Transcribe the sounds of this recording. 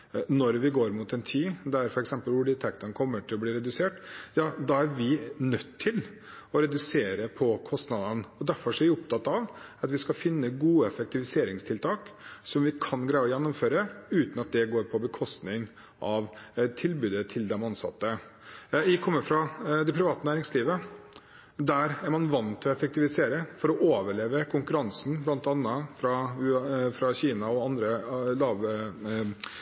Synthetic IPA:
nɔɾʋɪɡoːɾmut̪ɛnt̪ʰiːd̪æɾfɔɾɛksɛmpəlʋʊɖɪt̪ʰɛkt̪ənkʰɔmːəʈʰɪlɔbliːɾɛd̪ʉseːʈjɑːd̪ɑæɾʋɪnœt̪ʰːɪl | ɔɾɛd̪ʉseːɾəpʰɔkʰɔst̪nɑd̪ənɔd̪æɾfɔɾʂɔʋɪʊp̚t̪ʰɑt̪ːɑʋɑt̪ʋɪskɑfɪnːəɡuːəɛfɛk̚t̪ɪʋɪseːɾɪŋst̪ʰɪlt̪ʰɑːksɔmʋɪkʰɑnɡɾæɪɔjɛnːɔmføːɾəʉːt̪n̩ɑt̪̚d̪ɛɡoːɾpʰɔbəkʰɔst̪nɪŋ | ʔɑʋt̪ʰɪlbʉːd̪ət̪ʰɪld̪ɛmɑnsɑ̰t̪ːə | ɪkʰɔmːəɾfɾɑd̪ɛpʰɾɪʋɑːt̪ənæːɾɪŋsliːʋə | d̪æɾæɾmɑnʋɑnt̪ʰɪlɔɛfɛkt̪ɪʋɪseːɾəfɔɾɔʔoːʋəɭeːʋəkʰʊŋkʉɾɑnsn̩blɑnt̪ɑnːəfɾɑʉfɾɑçiːnɑɔɑnd̪ɾəlɑːʋ

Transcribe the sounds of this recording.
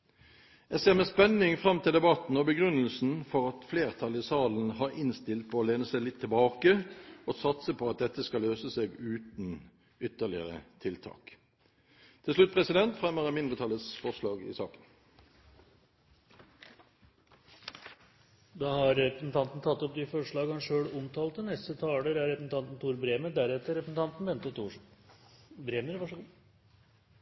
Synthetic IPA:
jæseːʁmɛspɛnːɪŋfʁɑmt̪ʰɪld̪ɛbɑt̪n̩ɔbəɡʁʉnːəlsn̩fɔʁɑt̪fleːʁt̪ʰɑlɪsɑːln̩hɑːʁɪnst̪ɪlt̪̚pʰoːleːnəsæɪlɪt̪ʰːɪlbɑːkəosɑt̪səpʰɔɑt̪̚d̪ɛt̪ːəskɑløːsəseːɡʉːt̪n̩ | ʏt̪ːəʁlɪə̰ʁə̰t̪ʰɪlt̪ʰɑ̰ːk | t̪ʰɪlʂlʉt̪̚pʰʁɛsɪd̪ɛnt̪fʁɛməʁəmɪnd̪ʁət̪ʰɑlːət̪sfɔʁʂlɑːɡɪ̰sɑːkən | d̪ɑhɑɾɛpɾəsn̩t̪ʰɑnt̪n̩t̪ʰɑt̪ːɔp̚d̪ɪfɔʂɭɑːɡɑnʂøːɽʊmt̪ʰɑːlt̪ːənɛst̪ət̪ʰɑːləɾæɾɛpɾsn̩t̪ɑnt̪n̩t̪ʰuːɾbɾeːməd̪æɾɛt̪ːəɾɛpɾəsn̩t̪ʰɑnt̪n̩ʋɛnt̪ət̪uː | bɾeːməɾʋɑʂəɡuː

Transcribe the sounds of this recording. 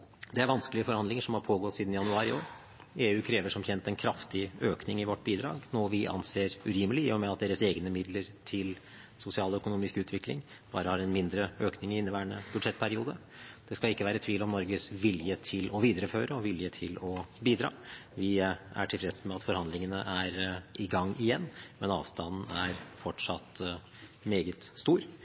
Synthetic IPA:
d̪ɛæɾʋɑnskəlɪəfɔɾhɑnd̪lɪŋəʂɔmhɑɾpʰoːɡɔt̪ːsiːd̪n̩jɑnʉɑːɾɪoːɾ | eːʉːkʰɾeːʋəʂɔmçɛnt̪ɛnkʰɾɑft̪ɪøːknɪŋɪʋɔʈːbiːd̪ɾɑ̰ːɡnoːʋɪʔɑ̰nseːɾʉɾiːməlɪmɛɑt̪̚d̪eːɾəseːɡnəmɪd̪ləɾt̪ʰɪl | sʊsɪɑːlɔœkʊnuːmɪskʉːt̪ʋɪklɪ̰ŋb̥ɑːɾəhɑɾɛnmɪnd̪ɾəøːknɪŋɪɪnːəʋæːəɳət̪ʊʂɛt̪ːpʰæɾɪuːd̪ə | d̪̥ɛskɑlɪkːəʋæːɾət̪ʰʋiːlɔmnɔɾɡəsʋɪljət̪ʰɪlɔʋiːd̪əɾəføːɾəɔʋɪljət̪ʰɪlɔbiːd̪ɾɑ̰ːʋɪæ̰ʈʰɪlfɾɛt̪smɛɑt̪fɔɾhɑnd̪lɪŋənəʔæɾʔɪɡɑŋːɪjɛnːmɛnɑ̰ːʋst̪ɑnn̩æɾfɔʈʂɑt̪ː | meːɡət̪st̪uːɾ

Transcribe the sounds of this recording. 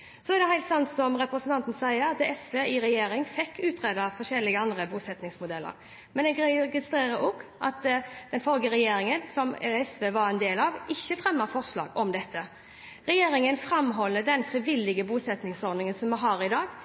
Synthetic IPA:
sɔɛʁd̪ɛɦæɪlt̪sɑnt̪sɔmɾɛpɾəsnt̪ɑnt̪n̩sæɪəɾɑt̪ɛsʋeːɪɾɛjeːɾɪŋfɛkʰːʉːt̪ʰɾeːd̪ɑfɔʂɛlːɪɡəɑnd̪ɾəbuːsɛt̪nɪŋsmʊd̪ɛlːə̰ɾ | mɛnɛɡɡɪst̪ɾeːɾəɾɔɡʔɑt̪d̪̥ɛnfɔlɡəɾɛjeːɾɪŋənsɔmɛsʋeːʋɑɾɛnd̪eːlɑʋɪçːəfɾɛmːəfɔʁʂlɑ̰ːɡɔmd̪ɛt̪ʰːə | ɾɛjeːɾɪŋənfɾɑmɦɔlːəd̪ɛnfɾɪʋɪlːɪɡəbuːsɛt̪nɪŋsɔɾd̪nɪŋənsɔmːɛɦɑːɾɪd̪ɑːɡ

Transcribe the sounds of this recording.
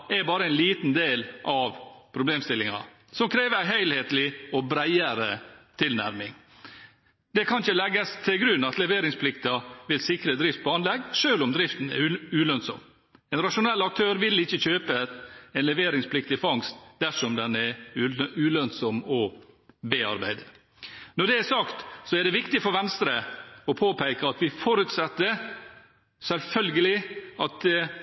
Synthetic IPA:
ɛɾbɑːɾəæɛɪnliːt̪nd̪eːlʔɑʋpʰɾʊbleːmst̪ɪlːɪŋɑ̰ | sɔmkʰɾeːʋəæɦæɪlheːt̪əlɪɔbɾæɪəɾət̪ʰɪlnæ̰ɾmɪŋ | d̪ɛkʰɑnɪçəlɛɡːəst̪ʰɪlɡɾʉnːɑt̪lɛʋeːɾɪŋspʰlɪkt̪ɑʋɪlsɪkɾəd̪ɾɪft̪̚pʰɔɑnlɛɡːʂøːlʊmd̪ɾɪft̪n̩ɛ̰ʉlœnsɔ̰m | ɛnɾɑʂʊnɛlːɑk̚t̪ʰøːɾʋɪlɪçːəçøːpəɛnlɛʋeːɾɪŋspʰlɪkt̪ɪfɑŋst̪d̪æʂɔmd̪ɛnɛ | ʉːlœnsɔmɔbeːɑ̰ɾbæ̰ɪd̪ə | nɔɖɛæsɑkt̪sɔæɖɛʋɪkt̪ɪfɔɾʋɛnst̪ɾəɔpʰoːpʰæɪkəɑt̪ʋɪfɔɾʉt̪sɛt̪ːəɾ | sɛlfœlɡəlɪɑt̪

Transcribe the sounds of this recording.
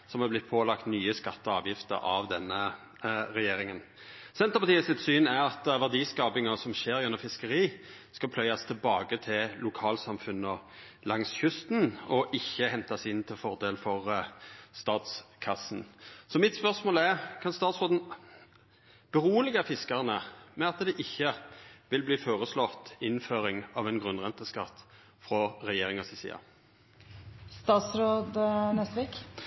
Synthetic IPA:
sɔmhɑblɪt̪̚ːpʰoːlɑkt̪nyːəskɑt̪ːəɑːʋjɪft̪ə̰ɾʔɑ̰ʋd̪ɛnːə | ʁɛjeːɾɪŋən | sɛnt̪əpɑt̪iːəsɪt̪syːnæɾɑt̪ʋæʁd̪iːskɑːpɪŋɑsɔmʃeːɾjʉnːɔfɪskəɾiː | skɑpʰlœʏɑst̪ʰɪlbɑːɡət̪ʰɪllʊkʰɑːlsɑmfʉnːə | lɑŋsçʉst̪nɔʔɪçːəhɛnt̪ɑsɪnːt̪ʰɪlfɔʁd̪eːlfɔʁst̪ɑːt̪skʰɑsn̩sɔmɪt̪spœʁsmoːlɛʁkʰɑnst̪ɑːt̪sʁoːd̪n̩ | b̥əʁuːəlɪɡəfɪskɑʁnəmɛɑt̪d̪ɛʔɪçːəʋɪlbliːfoːʁəslɔt̪ɪnføːɾɪŋɑːʋɛːnɡʁʉnʁɛnt̪əskɑt̪ː | fʁɔɾɛjeːɾɪŋɑsɪsḭːɑ̰ | st̪ɑːt̪sɾoːd̪nɛst̪əʋeːk

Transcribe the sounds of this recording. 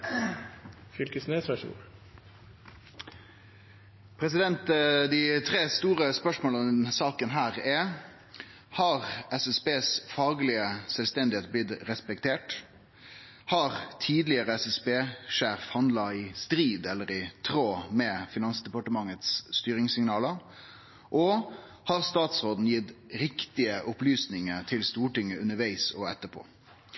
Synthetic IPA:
fʏlkəsneːsɾɑʂṵːɾ | pʰɾɛs̬ɪd̪ɛnt̪d̪ɪt̪ʰʁeːst̪uːʁəspœʂmoːlənsɑːkənɦæːʁɛ | hɑːʁɛsɛsbeːsfɑːɡlɪəsɛlst̪ɛnd̪ɪheːt̪̚blɪt̪ɾɛspɛkt̪ʰeːʈ | hɑːʁt̪ʰiːd̪lɪəɾəɛsɛsbeːʂeːfhɑnd̪lɑɪst̪ɾiːd̪ɛlːəɾɪt̪ʰɾoːmɛfɪnɑnsd̪ɛpɑʈəmɑŋət̪sːt̪yːɾɪŋsɪŋnɑːləɾ | ʔɔ | hɑːʁst̪ɑːt̪sɾoːd̪n̩jɪt̪ːɾɪkt̪ɪəʔʊplyːsnɪŋəɾt̪ʰɪlst̪uːʈɪŋːəʉnːəʋæɪsɔɛt̪ːəpʰo̰ː

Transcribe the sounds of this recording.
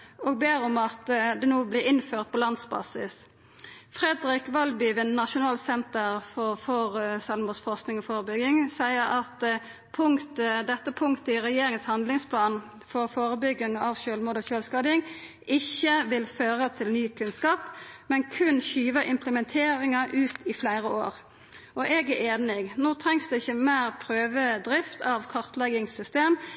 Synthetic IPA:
oːɡbeːʁɔmɑt̪d̪ɛnoːblɪɪnføːʁt̪̚pʰɔːlɑnd̪sbɑ̰ːsɪs | fʁɛd̪ɾɪkʋɑlbʏʋənnɑʃʊnɑːlsɛnt̪əʁfɔfɔʁsɑlmuːsfɔʁsknɪŋɔːfoːʁəbʏɡɪŋsæɪəɾɑt̪ | pʰʊŋt̪əd̪ɛt̪ːəpʰʊŋkt̪əɪʁɛjeːɾɪŋənshɑnd̪lɪŋspʰlɑːn | fɔʁfoːɾəbʏɡːɪŋɑʋʃølmuːd̪ɔːçøːlskɑːd̪ɪŋ | ʔɪçːəʋɪlføːɾət̪ʰɪlnyːkʰʉnskɑːpmɛnkʰʉnçyːʋəʔɪmpləmɛnt̪ʰeːɾɪŋɑʔʉːt̪ɪflæɪɾəo̰ːʁ | ʔɔʔɛɡæʔeːnɪɡnoːt̪ʰɾɛŋsd̪ɛɪçːəmæːʁpʰɾøːʋəd̪ɾɪft̪ʰɑʋkʰɑʁt̪lɛɡɪŋsʏst̪eːm

